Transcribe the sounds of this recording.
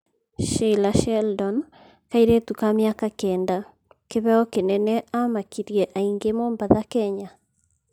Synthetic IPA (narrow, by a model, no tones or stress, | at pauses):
ʃelaʃɛldɔn | kaiɾetukamjakakɛːnda | keβɛɔkenɛnɛamakiɾjɛʔaiŋɡemombaðakɛɲa